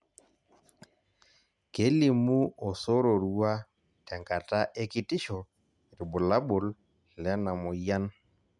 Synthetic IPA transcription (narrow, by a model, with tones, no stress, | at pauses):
ke˦li˨mu˦ɔ˨so˦ɾo˨ɾu˦a˦ | tɛ˨ŋka˨ta˦ʔe˦ki˦tɪ˦ʃɔ˨ | ɾi˨bʊ˨la˦bʊ˨l | lɛ˦na˨mʊ˨ja˦n